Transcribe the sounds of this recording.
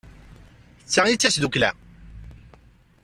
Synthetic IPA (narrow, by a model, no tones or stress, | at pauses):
t͡sːaʁjit͡sːæsðuklæ̰